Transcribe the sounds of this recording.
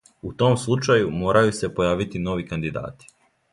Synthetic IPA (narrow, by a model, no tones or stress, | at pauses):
ut̪o̞ːmslˠut͡ʃajumo̞ːɾajuse̞po̞jaːʋit̪ino̞ʋikand̪id̪a̰ːt̪i̥